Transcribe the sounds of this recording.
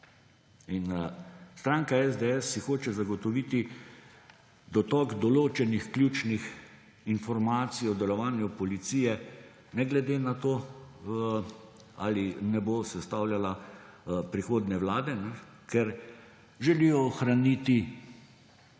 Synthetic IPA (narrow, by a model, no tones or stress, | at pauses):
inst̪ɾaːŋkaɛzd̪eɛsːixoːt͡ʃɛzaɡɔt̪ɔʋiːt̪i | d̪ɔt̪ɔːɡd̪ɔloːt͡ʃɛnixklʲjuːt͡ʃnix | infɔɾmaːt̪siɔd̪ɛlɔʋaːnjupɔlit̪siːjɛ | nɛɡlɛd̪eːnat̪oː | alinɛboːsɛst̪aːwljala | pɾixoːd̪nɛwlaːd̪ɛnɛ | kɛɾ | ʒɛliːjɔːxɾanit̪i